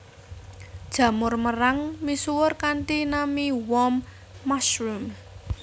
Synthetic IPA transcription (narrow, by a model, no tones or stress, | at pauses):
d̥ʒ̥ä̤mʊrməɾaŋmisuwʊrkaɳʈinamiwɔmː | asɾum